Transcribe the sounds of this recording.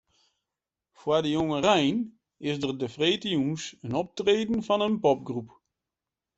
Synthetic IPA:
fwadəjoŋərɛjn | ɪsdərdəfreːtəjunsənɔp̚treːdən̩fɔnənpɔp̚ɡrup

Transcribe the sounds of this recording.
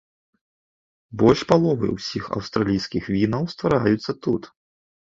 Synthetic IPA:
bɔlʲʂpalˠɔvɨ̰wsʲixɐ̰wst̪ɾalʲijskʲixvʲinɐwst̪vaɾajut̪sːɐt̪ut̪

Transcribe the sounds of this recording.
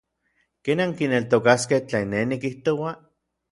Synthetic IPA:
keːnaŋkinelt̪okaskeht͡ɬeːnːenikiht̪owa

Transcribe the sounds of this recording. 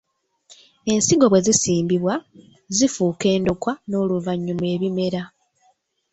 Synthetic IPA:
e̞nsiɡo̞βwe̞zisiːmbiβwa | zifuːke̞ːndokwano̞luvaɲːumwe̞ːβime̞ɾa

